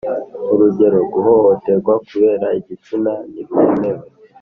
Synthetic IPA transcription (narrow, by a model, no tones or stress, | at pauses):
uɾuɟe̞ɾo̞ɡuho̞hote̞ɡwakuβe̞ːɾaiɟit͡sinaniɾunewe